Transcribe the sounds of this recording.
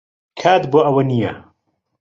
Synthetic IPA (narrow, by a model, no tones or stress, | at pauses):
kʰaːt̪boːʔɐwɐnijɐ